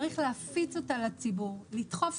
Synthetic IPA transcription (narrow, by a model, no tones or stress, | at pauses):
ʁiχleafit͡so̞talat͡sibuʁlitχo̞f